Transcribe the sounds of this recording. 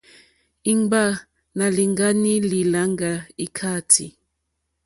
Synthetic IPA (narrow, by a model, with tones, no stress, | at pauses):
i˦ŋ˦ba˦ | na˨li˨ŋɡa˦ni˦li˨la˨˦ŋ˦ɡa˨i˦kʰa˦˨tʰḭ˨